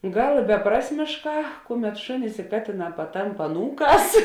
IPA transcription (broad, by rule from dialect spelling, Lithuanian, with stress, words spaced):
ˈɡɐlˠ ɪ bʲɛˈprɑːsʲmʲeːʃˌkɑː ˈkʊˌmʲɛt ˈʃʊnʲɪs ɪ ˈkɑːtʲeːˌnɑː pɐˈtɐmp ɐˈnuːˌkɑːs